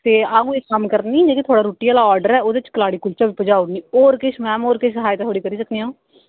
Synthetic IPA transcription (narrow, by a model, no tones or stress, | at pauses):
t̪eːaːũːeːkəmkəɾd̪nĩːd͡ʒeːkit̪ʰoːɽaːɾoːʈijaːlaːɔːɾɖəɾɛːoːd̪et͡ʃkəlaːɽiːkʊlt͡ʃaːbiːpəd͡ʒaːʊniːoːɾkɪʃmɛ̃ːmoːɾkɪʃsəɦaːjːt̪ãt̪ʰoːɽiːkəɾiːsəkniːãː